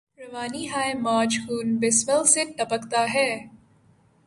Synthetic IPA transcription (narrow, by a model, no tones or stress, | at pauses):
ɾɐʋaːniɦaːemaːd͡ʒkuːnbɪsʋəlseʈ̪ɐbəkt̪aɦɛː